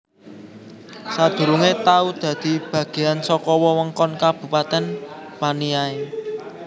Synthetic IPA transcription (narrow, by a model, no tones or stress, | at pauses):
sad̪̥ṳɾuŋet̪aud̪̥ä̤d̪̥i̤b̥ä̤ɡ̥e̤ansɔkɔwɔwəŋkɔnkab̥ṳpat̪ɛnpanijae